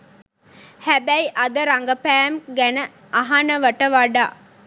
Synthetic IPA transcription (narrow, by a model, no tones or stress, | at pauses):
hæbæiʔɐd̪əɾaŋɡɐpæːmɡænə | ʔɐɦanɐʋɐʈəʋaɖaː